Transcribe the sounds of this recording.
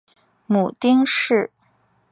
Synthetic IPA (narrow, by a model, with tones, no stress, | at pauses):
mu˨˩t̪i˥ŋʂɻ̩˥˩